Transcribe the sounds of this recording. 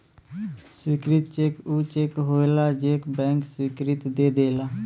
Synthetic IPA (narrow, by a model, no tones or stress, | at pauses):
swɪːkɾɪt̪̚t͡ʃeːkuːt͡ʃeːkɦoːelaːd͡ʒeːkbɛ̃ːŋkswɪːkɾɪt̪d̪eːd̪eːlaː